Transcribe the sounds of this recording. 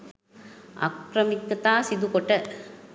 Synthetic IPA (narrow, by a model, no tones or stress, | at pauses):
ɐ̰kɾɐmikːɐt̪aːsid̪ukɔʈːɐ